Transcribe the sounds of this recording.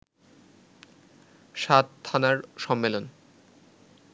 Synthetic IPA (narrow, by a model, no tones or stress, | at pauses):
ʃat̪t̪ʰːanaɾʃɔmːelon